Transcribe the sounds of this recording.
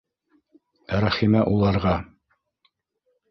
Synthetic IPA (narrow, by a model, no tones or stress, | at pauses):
ɾæχimæʔulˠɑɾʁɑ